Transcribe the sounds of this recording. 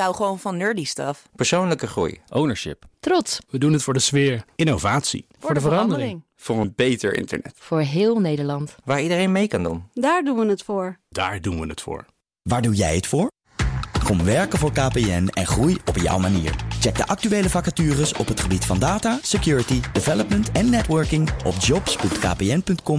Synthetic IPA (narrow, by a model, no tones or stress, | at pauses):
awχəʋownvɑnːøːɹdistɑfpəɹsownləkəχrṵjʔownəɹʃɪ̰ptrɔtsʋədunɦətfʊːɹdəsʋɪːɹʔɪnowvaːtsḭfːʊɹdvərɑndərɪɪŋŋ | v̥ʊːɹənpejtəɹɪ̰ntə̰ɹnɛ̰tfʊːɹɦɪːlˠnejdəɹlɑntʋaːɹidərejnmejkɑndṵndaːɹdunʋənətfʊːɹd̥a̰ːɹdunʋənətfʊ̰ːɹ | ʋaːɹdunjɛ̰jətfʊːɹ | kɔmʋɛɹkənvʊːɹkaːpeɛnɛ̰nχrujɔpjɑ̰wmanḭːɹt͡ʃɛk̚də̰ʔɑk̚tyʋejləfɑkatyːrəsɔ̰pɦətχəbitfɑndaːtaːsekjuːɹətidɪvɛləpməntʰɛnːɛtʋœɹkɪŋʔɔ̰fd͡ʒɔpspɵntka̰ːpeɛnpɵntkɔm